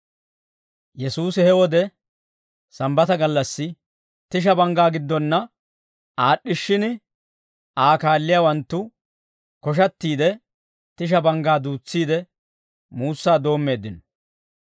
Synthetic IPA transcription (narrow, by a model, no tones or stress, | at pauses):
jɛsuːsɪhɛwɔd̪ɛ | sɐmbɐt̪ɐɡɐlːɐsːɪ | t̪ɪʃ̬ɐbɐŋɡaːɡɪd̪ːɔnːɐ | aːɗːɪʃːɪnɪ | aːkaːlːɪjaːwɐnt̪ːʊ | kɔʃ̬ɐt̪ːiːd̪ɛ | t̪ɪʃ̬ɐbɐŋɡaːd̪uːt͡sːiːd̪ɛ | muːsːaːd̪o̞ːmːe̞ːd̪ːɪnɔ